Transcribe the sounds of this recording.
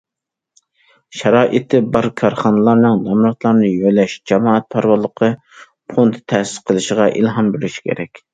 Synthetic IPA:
ʃɛɾɑːʔɨt̪ʰːɪbɑɾkʰɑɾχɑnɨlˠɑɾnɨŋd̪ɑmɾɑt̪lˠɑɾnɨjøjlɛʃd͡ʒɛmɑːɛt̪̚pʰɑɾwɑlˠːəqʰə | pʰont̪ʰt̪ʰɛsɪ̥sqʰəlˠɨʃəʁɑʔḭlɦɑmbyɾyʃi̥kʲʰḛɾɛkʲ

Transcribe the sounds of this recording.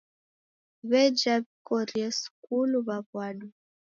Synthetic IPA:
βɛd͡ʒaβikɔɾiɛskuluβaβwaɗu

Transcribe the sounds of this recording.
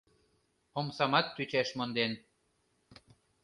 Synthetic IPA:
omsɑmɑt̪ːyt͡ɕæʃmond̪en

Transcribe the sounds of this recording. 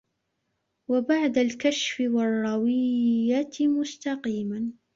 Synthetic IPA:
wabaʕd̪alkaʃfɪwɑrˤːɑwɪjːamʊst̪ɑqiːman

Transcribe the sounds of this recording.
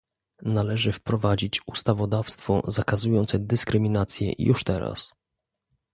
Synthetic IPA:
nalɛʐɘfpɾɔvad͡ʑit͡ɕust̪avɔd̪afst̪fɔ̰zakazujɔnt̪sɛd̪ɘskɾɘmʲinat̪sʲjɛ̰jṵʂt̪ɛɾa̰s

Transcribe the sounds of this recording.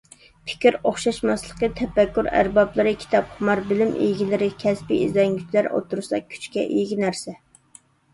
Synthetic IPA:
pʰɪ̥kʲiɾoχʃɑʃmɑslˠəqət̪ʰɛpːɛkʲːuɾæ̰ɾbɑblˠɨɾɨkʲʰi̥t̪ʰɑpχʊmɑɾbɪlɪmʔḭjɡʲilɪɾɪkʲʰɛspiʔḭzlɛŋɡʲyt͡ʃʰlæɾo̰t̪ʰːuɾɨsɑ̰kʲʰy̥t͡ʃkʲɛ̰ʔijɡʲinæɾsɛ

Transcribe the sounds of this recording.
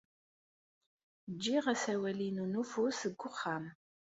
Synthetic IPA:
d͡ʒiːʁɐsɐwɐliːnunufosɨɡʷʊχam

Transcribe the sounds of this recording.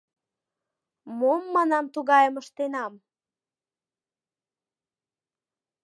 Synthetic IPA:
momːɑnɑmt̪uɣɑjəməʃt̪enɑm

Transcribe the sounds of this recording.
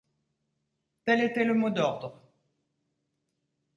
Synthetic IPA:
t̪ɛlet̪ɛləmod̪ɔʁd̪ʁ

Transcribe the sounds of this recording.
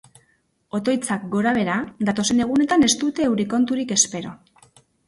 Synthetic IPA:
o̞t̪o̞jt͡sak̚ɡo̞ɾaβ̞e̞ɾad̪at̪o̞se̞ne̞ɣ̞une̞t̪ane̞st̪ut̪e̞ːwɾiko̞nt̪uɾike̞spe̞ɾo̞

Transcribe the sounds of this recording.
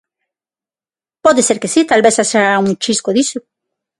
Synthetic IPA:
poðeseɾkesit̪alβesaseauŋt͡ʃiskoðiso

